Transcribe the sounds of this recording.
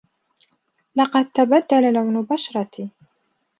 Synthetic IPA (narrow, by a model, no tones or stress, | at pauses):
lɑqɑd̪̚t̪abad̪ːalalawnʊbaʃɾˤɑt̪i